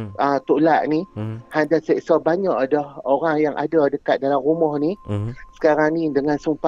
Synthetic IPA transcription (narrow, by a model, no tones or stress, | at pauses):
ʔət̪uʔlaʔnĩhadasɛʔsabaɲɔʔdɔhoɾaŋjaŋʔa̰dadəkat̪̚dalamɾumɔhnisə̥kaɾaŋnidəŋansumpa